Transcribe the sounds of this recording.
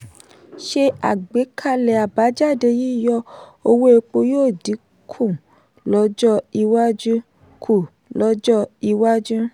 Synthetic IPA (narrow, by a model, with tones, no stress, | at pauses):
ʃe˧a˨ɡ͡be˨˦kʰa˦˨lɛ˨a˨ba˨˦d͡ʒa˦˨de˧ji˦˨jɔ˧o˧wo˦e˧k͡po˧joː˦˨di˨˦ | kʰũ˦˨ | lɔ˦d͡ʒɔ˦i˧wa˦d͡ʒũ˦ | kʰu˦˨ | lɔ˦d͡ʒɔ˦i˧wa˦d͡ʒũ˦